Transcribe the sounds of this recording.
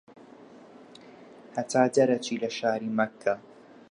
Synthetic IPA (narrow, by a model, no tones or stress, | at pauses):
hat̪aːdaɾˤat͡ʃilaʃahɾɪmakʰːa